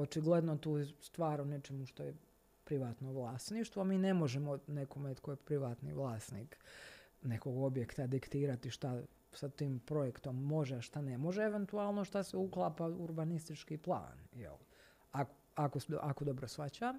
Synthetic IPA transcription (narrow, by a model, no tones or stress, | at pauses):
ot͡ʃiɡlˠed̪not̪uːjest̪ʋaːɾone̞t͡ʃemuʃt̪o̞je | pɾiʋaːt̪noʋlˠaːst̪niʃt̪ʋoamiːnemo̞ʒemonekomet̪kojepɾiʋaːt̪nḭʋlˠaːsnḭːk | ne̞koɡo̞bje̞kt̪ad̪ikt̪iːɾat̪iʃt̪a | sat̪iːmpɾo̞jekt̪o̞mːo̞ʒeʃt̪ane̞mo̞ʒeeʋe̞nt̪uaːlˠno̞ʃt̪aseuklˠaːpauɾbanist̪it͡ʃkiplˠa̰ːnjḛl | ako | akoʔakod̪o̞bɾosfat͡ɕam